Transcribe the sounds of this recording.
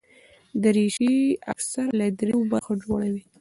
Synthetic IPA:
d̪əɾeʃia̰ksaɾlad̪ɾewobaɾxod͡ʒoɽawi

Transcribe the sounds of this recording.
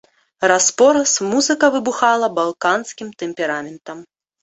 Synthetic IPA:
raspɔɾɐsmuzɨkɐvɨbuxalˠɐbalˠkanskʲimt̪ɛmʲpʲɛɾamʲɛnt̪ɐm

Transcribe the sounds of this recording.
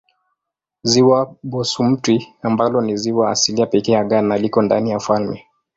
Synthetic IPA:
ziwaɓɔsum̩twiambalɔniziwa̰ːsiliapɛkɛjaɠanalikɔndanijafalmɛ

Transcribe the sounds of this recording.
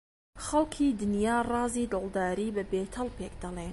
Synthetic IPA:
xɐlkʰiːd̪ɨnjɑːrɑːziːd̪ɨlˠd̪ɑːɾiːbɨbeːt̪ʰɑlˠpeːk̚d̪ɑlˠeːn

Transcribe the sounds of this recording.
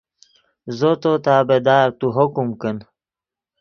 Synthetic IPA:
zot̪ot̪aːbed̪aːɾt̪uɦokumkən

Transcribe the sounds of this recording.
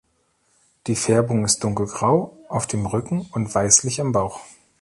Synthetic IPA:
d̥iːfɛɐbʊŋɪst̚d̥ʊŋkl̩ɡʁaʊʔaʊfd̥eːmʁʏkŋ̩ʊntv̥aɪslɪçambaʊx

